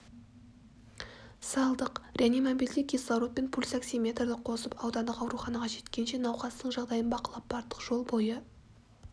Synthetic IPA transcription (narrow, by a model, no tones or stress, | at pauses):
sɑlˠd̪əqrʲʔeanimobild̪ɪkʲʰisˠɑɾot̪̚pe̞npʰulʲsaksʲijmʲe̞t̪rd̪ɪqʰo̞səpɑwd̪ɑnd̪əqɑwɾuχɑnɑʁɑʒe̞t̪kʲe̞nʃe̞nɑwqɑst̪əɴʒɑʁd̪ɑjənbɑqəlˠɑp̚bɑɾt̪ːə̥qʒ̥o̞lˠbo̞jə